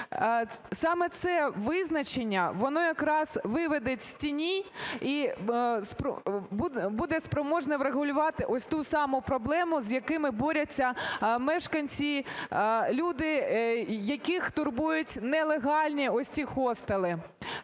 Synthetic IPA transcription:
sɑmɛt̪sɛʋɪznɐt͡ʃenʲːɐʋɔnɔjɐkɾɑzʋɪʋed̪etʲsʲtʲinʲiispbubud̪ɛspɾɔmɔʒnɛʋɾeɣʊlʲʊʋɑt̪ɪʔɔsʲt̪usɑmʊpɾɔblˠɛmʊzjɐkɪmɪbɔɾʲɐt͡sʲːɐmɛʃkɐnʲt͡sʲi | lʲud̪ɪ | jɐkɪxt̪ʊrbujʊtʲnɛlˠeɦɑlʲnʲiɔsʲtʲixɔst̪ɐlˠɪ

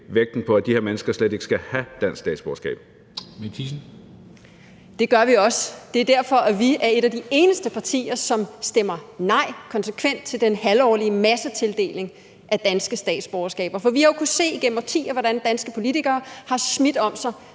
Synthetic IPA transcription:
ʋeɡ̥̚d̥n̩pʰɒ̽æd̥iheɐmenəsɡ̥ɐslede̝ɡ̥ə̥sɡ̥æhæd̥æn̰ssd̥ɛ̰ːd̥sb̥ɒʊɐsɡ̥ɛ̰ːb̥̚ | met͡sʰisn̩ | d̥e̝ɡ̥ɶɐʋiɒ̽sd̥e̝æɐd̥æɐfɒ̽ʔæʋiæɐe̝ɾæd̥ie̝ːnəsd̥əpʰɑ̈t͡sʰḭːɐsɒ̽msd̥emɐnɑ̈ɪ̰kʰɒ̽nsəkʰʋen̰d̥̚t͡sʰe̝ld̥enhælɒ̰ːliəmæsət͡sʰe̝ld̥e̝̰ːle̝ŋ | ʔæd̥ænsɡ̥əsd̥ɛ̰ːd̥sb̥ɒʊɐsɡ̥ɛ̰ːb̥ɐfɒ̽ʋihɑjokʰuse̝̰ːiɡ̥en̰m̩pɑ̈t͡sʰḭːæʋɒɾænd̥ænsɡ̥əpʰo̝lit͡sʰiɡ̥ɐːhɑ̈smid̥ɒ̽msɑ̈ɪ

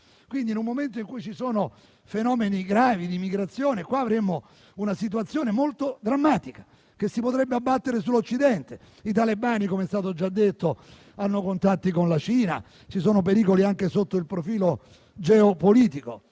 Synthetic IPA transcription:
kwind̪inumːoment̪oiŋkujt͡ʃisoːno | fenɔːmeniɡɾaːvid̪imiɡɾat̪sːjoːnekwaːvɾemo | unasit̪̬uwat̪sːjoːnemolt̪od̪ɾamːaːt̪ikḁ | k̟esːipot̪ɾɛbːeabːat̪ːeɾesulːot͡ʃːid̪ɛnt̪e | it̪alebaːnikomeɛst̪aːt̪̬od͡ʒad̪ːet̪ːo | anːokont̪at̪ːikonlat͡ʃiːna̰ | t͡ʃisoːnopeɾiːkoliaŋkesot̪ːoilpɾofiːlo | d͡ʒɛopoliːt̪iko

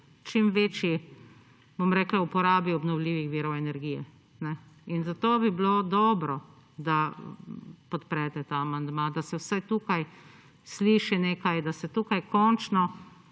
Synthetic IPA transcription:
t͡ʃimʋeːt͡ʃji | bomɾɛːklaupɔɾaːbiɔbnɔwliːʋixʋiːɾɔwɛnɛɾɡiːjɛ | nɛinzat̪oːbiblod̪ɔːbɾɔ | d̪a | pɔt̪pɾɛt̪ɛt̪aːmand̪mad̪asɛwsajt̪uːkaj | sliːʃineːkajd̪asɛt̪uːkajkɔnt͡ʃnɔ

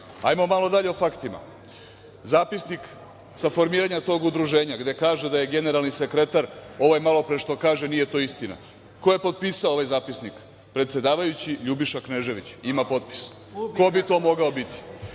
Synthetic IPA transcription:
a̰jmomalo̞d̪aʎe̞ofakt̪ima̰ | zaːpisnik | safo̞ɾmiːɾaɲat̪o̞ɡud̪ɾuʒe̞ːɲaɡd̪e̞kaːʒe̞d̪aje̞ɡe̞ne̞ɾalˠnise̞kɾe̞t̪aɾo̞ʋajmalo̞pɾeʃt̪o̞kaːʒe̞nije̞t̪o̞ːist̪ina̰ | ko̞jepo̞t̪̚piːsaooʋajzaːpisnik | pɾe̞t̪sje̞d̪aːʋajut͡ɕiʎubiʃakne̞ʒe̞ʋit͡ɕimapo̞t̪pi̥s | ko̞bit̪o̞ːmo̞ɡaobit̪i̥

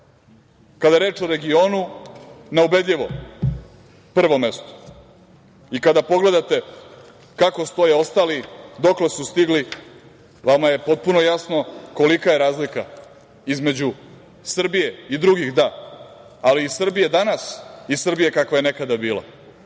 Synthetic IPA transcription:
kad̪aɾe̞ːt͡ʃoɾeɡio̞ːnunaube̞d̪ʎʲiʋo̞̰ | pr̩ʋo̞me̞st̪o̥ | ikad̪apo̞ɡle̞d̪at̪e̞ | kako̞st̪o̞jeo̞st̪aːlid̪o̞kle̞sust̪iɡli | ʋamaje̞po̞t̪̚puno̞jasno̞ko̞likaje̞ɾaːzlika | izme̞d͡ʑu | sr̩bije̞id̪ɾuɡixd̪a | aliːsr̩bije̞d̪anasisr̩bije̞kakʋaje̞nekad̪abiːlˠa̰

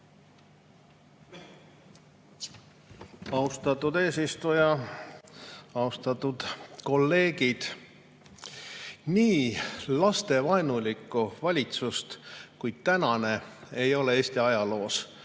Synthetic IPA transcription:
ɑust̪ɑt̪ːˑud̪e̞ːsist̪ujɑ | ɑust̪ɑt̪ːˑud̪̥ko̞lːe̞ːɡ̥id̪̥ | niːlɑst̪e̞vɑenulikˑːuvɑlʲit̪sust̪kujd̪̥̚t̪ænɑne̞ejo̞le̞e̞ːst̪iɑjɑlo̞ːs

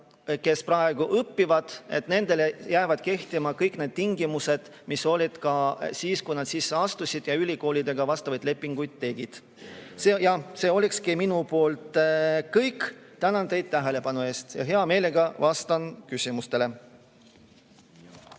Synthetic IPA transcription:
ke̞sprɑe̞ɡ̥uʔɤpːivɑd̪̥e̞̰t̪ne̞nd̪e̞lejæːvɑd̪̥ke̞ht̪imɑkɤjkne̞ːd̪̥̚t̪iŋɡimuse̞d̪̥ | miso̞lʲid̪̥kɑsiːskujnɑd̪̥siːsːeɑst̪usʲid̪̥jɑylʲiko̞ːlid̪̥e̞ɡ̥ɑvɑst̪ɑvɑjd̪̥le̞pːˑiŋɡ̥ujd̪̥̚t̪e̞ɡ̥id̪̥ | sejɑhse̞ːo̞lʲikskiminupo̞ːlt̪ˑkɤjkːˑt̪ænɑnd̪e̞jd̪̥̚t̪æɦe̞le̞pɑnue̞ːst̪jɑ̰ɦe̞ɑme̞ːle̞ɡɑvɑst̪ɑnkysʲimust̪e̞le̞

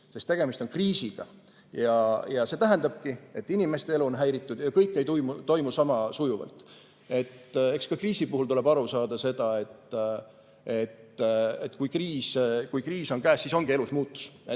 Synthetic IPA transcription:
sest̪ːe̞ɡ̥emist̪o̞nkriːsiɡ̥ɑ̰ | jɑjɑse̞ːt̪æɦend̪ɑb̥kie̞t̪ːinime̞st̪e̞e̞luonɦæjɾit̪ːˑud̪̥jɑkɤjkːˑe̞jt̪ujmut̪o̞jmusɑmɑsujuvɑ̰lt̪ˑ | e̞t̪e̞kskɑkriːsipuhult̪ule̞b̥ɑɾusɑːd̪̥ɑse̞d̪̥ɑe̞t̪ː | e̞t̪et̪ːˑkujkriːskujkriːso̞nkæːsːiːso̞ŋɡ̥ie̞lusmuːt̪ːˑu̥se

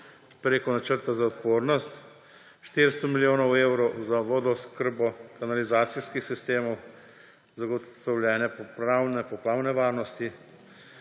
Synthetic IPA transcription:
pɾeːkɔnat͡ʃəɾt̪azaɔt̪poːɾnɔst̪ | ʃt̪eɾst̪ɔmiljoːnɔwewɾɔwzaʋɔd̪ɔskəɾbɔkanalizaːt̪siskixsist̪eːmɔw | zaɡɔɔwljɛːnɛpɔpɾawnɛpɔpɾaːwnɛʋaːɾnɔst̪i

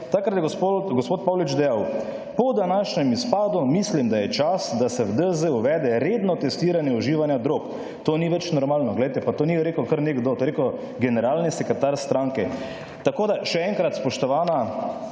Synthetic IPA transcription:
t̪akɾat̪jɛɡɡospoːt̪̚pawlit͡ʃd̪ɛjaw | pɔd̪anaʃnɛmispaːd̪umislimd̪ajɛt͡ʃasd̪asɛwd̪əzəuʋɛːd̪ɛɾed̪nɔt̪ɛst̪iːɾanjɛɔʒiːʋanjad̪ɾoːk | t̪oːniʋɛt͡ʃnɔɾmaːlnɔɡlɛjt̪ɛpat̪oːniɾeːkokəɾneɡd̪oːt̪oɾeko | ɡɛnɛɾaːlnisɛkɾɛt̪aɾst̪ɾaːŋkɛ | t̪akoːd̪aʃɛɛŋkɾat̪spɔʃt̪ɔʋaːna

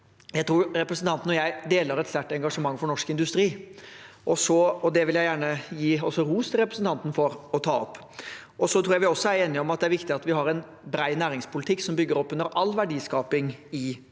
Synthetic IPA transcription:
jæɪt̪ʰɾuːɾɾɛpɾəsn̩t̪ʰɑnt̪n̩ɔjæɪd̪eːləɾɛt̪sʋ̪æʈːɛŋɡɑʂəmɑŋːfɔɳɔʂkɪnd̪ʉst̪ɾiː | ʔɔsɔɔd̪ɛʋɪljæɪjæːɳəjiːɔsːɔɾuːst̪ʰɪlɾɛpɾəsn̩t̪ɑnt̪n̩fɔɾɔt̪ʰɑːɔpː | ʔɔsɔt̪ʰɾuːjæʋɪɔsːɔæɾeːnɪɔmɑt̪d̪ɛæɾʋɪkt̪ɪɑt̪ʋɪɦɑɾɛn | bɾæɪnæːɾɪŋspʰʊlɪt̪ʰɪkːsɔmbʏɡːəɾɔpːʉnːəɾʔɑlːʋæɖiːskɑːpɪŋɪ

